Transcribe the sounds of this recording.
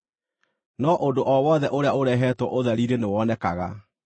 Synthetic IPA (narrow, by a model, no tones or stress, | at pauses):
nɔʔondoʔɔwɔðɛʔoɾeaoɾɛɦɛtwɔʔoðaɾiɾenewɔnɛkaɣa̰